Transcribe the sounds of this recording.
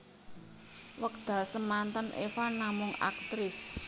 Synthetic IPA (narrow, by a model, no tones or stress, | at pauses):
wək̚d̪̥a̤lsəmant̪ənʔefanamʊŋa̰k̚t̪ɾɪs